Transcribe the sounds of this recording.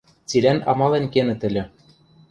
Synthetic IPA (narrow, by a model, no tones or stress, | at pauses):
t͡silʲænɑmɑlĕnʲkenɘ̆t̪ɘ̆lʲɘ̆